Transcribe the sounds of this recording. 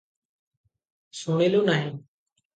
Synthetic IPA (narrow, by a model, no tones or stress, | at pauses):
soːɳ̃eːlũːnaːɦeː